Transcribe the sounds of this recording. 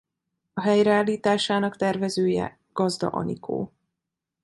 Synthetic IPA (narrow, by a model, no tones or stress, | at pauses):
ɒɦɛjɾɛaːliːt̪aːʃaːnɒkt̪ɛrvɛzøːjɛ̰ | ɡ̥ɒzd̪ɒ̰ʔɒ̰nḭkʰo̰ː